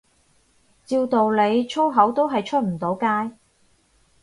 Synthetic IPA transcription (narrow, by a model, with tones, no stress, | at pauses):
t͡siː˧wt̪o˨wle˨˧jt͡ʃʰo˥wɦɐ˨˥wt̪o˥wɦɐ˨jt͡ʃʰɵ˥t̚m̩˨˩t̪o˨˥wkaː˥j